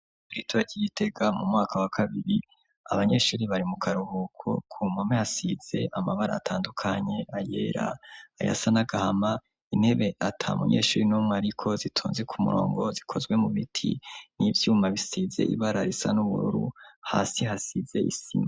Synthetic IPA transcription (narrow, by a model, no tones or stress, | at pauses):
uɾitʰoaɟiite̞ɡamumŋaːkʰawakʰaβiɾi | a̰βaɲe̞ːʃuːɾiβaɾimukʰaɾuhukʰo̰kʰumamehasiz̥e̞ʔamaβaɾa̰atʰaːndukʰaɲe̞ʔaje̞̰ːɾa̰ːja̰sanaɡahama | inhe̞βe̞ʔatʰaumṵɲḛːʃuːɾinuːmŋeaɾikʰo̞zitʰuːnzekʰumṵɾo̞̰ːŋɡo̞zikʰo̞zɡwe̞mumitʰḭnivjuːmaβisize̞̰ʔḭβaɾaɾisa̰nuβṵɾṵɾṵha̰ːsiɦasize̞ʔḭsḭma